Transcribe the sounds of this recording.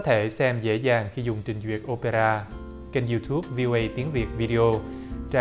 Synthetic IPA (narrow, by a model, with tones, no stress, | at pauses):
t̪ʰe˧˩sɛ˧mzḛ˧˥zaː˨˩ŋxi˧zʊ˨˩ŋ͡mt͡ɕï˨˩ŋ̟zwi˨˩ət̚ʔo˧pe˧ɾaː˧ | ke˧nzu˧t̪ʰu˦˥p̚vi˧o˧ʔə˧jt̪i˨˦əŋvi˨˩ət̚vi˧ɗi˧ʔo˧ | t͡ɕa˧